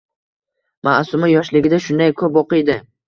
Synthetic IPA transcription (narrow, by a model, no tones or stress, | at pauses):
ma̰ʔsʊmajɒʃlɪɡʲɪd̪aʃʊnd̪ajkʰɵpoqɨjd̪ɪ